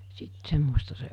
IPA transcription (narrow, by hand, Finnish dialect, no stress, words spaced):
sit semːostɑ se